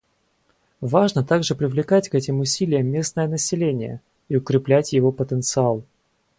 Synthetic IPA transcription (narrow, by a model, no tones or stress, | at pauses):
vaʐnət̪aɡʐɨpɾʲɪvlʲɪkatʲkɛtʲɪmʊsʲilʲɪjəmːʲe̞snəjənəsʲɪlʲenʲɪ̰jə̰ | iʊkɾʲɪplʲætʲjɪvopət̪ənt̪sɨalˠ